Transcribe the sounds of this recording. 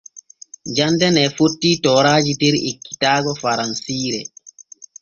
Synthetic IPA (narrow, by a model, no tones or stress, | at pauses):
d͡ʒandɛnɛfotːiːtɔːɾaːd͡ʒitɛɾikːi̥taːɡɔfaɾansiːɾɛ